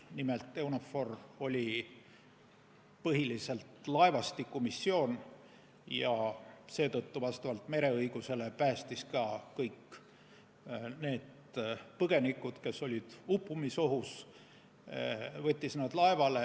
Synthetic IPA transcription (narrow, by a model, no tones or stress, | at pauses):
nime̞lt̪ːˑe̞uno̞fo̞ro̞lʲi | pɤɦilise̞lt̪lɑe̞vɑst̪ikːˑumisːio̞ːn | jɑse̞ːt̪ɤt̪ːuvɑst̪ɑvɑlt̪me̞ɾe̞ɤjɡ̥use̞le̞pæːst̪iskɑkɤjkːˑ | ne̞ːd̪̥ | pɤɡ̥e̞nikːˑud̪̥ke̞so̞lʲid̪̥upːˑumiso̞ɦus | vɤt̪ʲːisnɑd̪̥lɑevɑle